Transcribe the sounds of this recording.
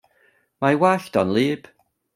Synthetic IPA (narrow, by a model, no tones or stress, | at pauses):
majwaɬtɔnlˠiːb̥